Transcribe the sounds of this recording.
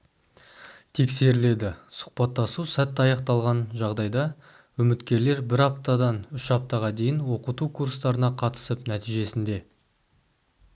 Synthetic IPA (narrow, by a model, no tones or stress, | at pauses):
t̪ʰe̞kse̞ɾɪle̞d̪ɪsʊ̥χpɑt̪ːɑsusæt̪ːɑjɑq̚t̪ɑlˠʁɑnʒɑʁd̪ɑjd̪ɑ | wɵmɪt̪kʲe̞ɾle̞ɾbɪɾɑp̚t̪ɑd̪ɑnʏʃɑp̚t̪ɑʁɑd̪e̞jɪnwo̞qət̪ukʰuɾst̪ɑɾənɑqʰɑt̪ə̥səpnæt̪ijʒe̞sɪnd̪e̞